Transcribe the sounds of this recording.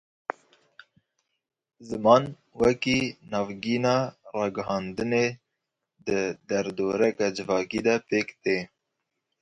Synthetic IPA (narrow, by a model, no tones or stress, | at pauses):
zəmɑːn | wakinɑvɡiːnɑɾɑːɡɦɑːnd̪əne | d̪əd̪aɾd̪oːɾakad͡ʒəvɑːkid̪apeːkt̪e